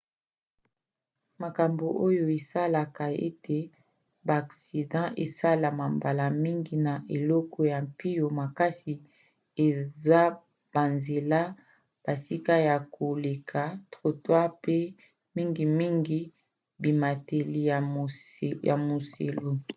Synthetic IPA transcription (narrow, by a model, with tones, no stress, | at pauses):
ma˨ka˨mbo˨ʔo˦jo˦e˨sa˦la˨ka˨ḛ˦te˨ | baː˨ksi˨dɑ̃˦ʔe˨sa˦la˨ma˨mba˨la˨mi˦ŋɡi˨na˨ʔe˨lɔ˦kɔ˦ja˨mpi˦jo˨ma˨ka˦si˨ | e˨za˦ | b̥a˨nze˨la˦ | b̥a˨si˦ka˦ja˨ko˨le˨kʰa˨tʁo˨twa˦pe˦ | mi˦ŋɡi˨mi˦ŋɡi˦ | bi˨ma˨te˨li˨ja˨ja̰˨mo˨sḛ˨lo˦